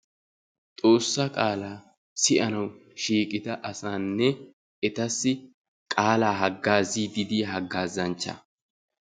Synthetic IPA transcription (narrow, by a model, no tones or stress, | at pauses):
t̪ʼo̞ːsːɐkʼaːlaː | sɪʔɐnɐwʃiːkʼɪt̪ɐʔɐsaːnːɛ | ɛt̪ɐsːɪ | kʼaːlaːɦɐɡːaːziːd̪ɪd̪iɦɐɡːaːzɐnt͡ʃːɐ̰